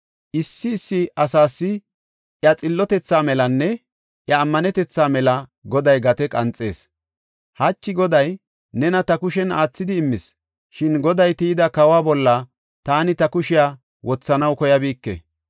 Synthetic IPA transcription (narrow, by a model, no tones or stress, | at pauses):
ʔɪsːɪːsːɪʔɐsaːsːɪ | ʔjɐt͡sʼɪlːɔt̪ɛt͡sːaːmɛlɐnːɛ | ʔjɐːmːɐnɛt̪ɛt͡sːaːmɛlɐɡɔd̪ɐjɡɐt̪ɛkʼɐnt͡sʼe̞ːs | hɐt͡ʃːɪɡɔd̪ɐj | nɛnɐt̪ɐkʊʃɛnaːt͡sːɪd̪ɪːmːɪs | ʃɪnɡɔd̪ɐjt̪ijd̪ɐkɐwaːbɔlːɐ | t̪aːnɪt̪ɐkʊʃɪjaː | wʔɔt͡sːɐnɐwkɔjɐbiːkːɛ̰